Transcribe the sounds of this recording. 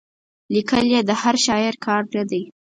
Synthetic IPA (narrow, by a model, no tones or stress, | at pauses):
likəljed̪əhaɾʃɑɪɾkʰɑɾnad̪aj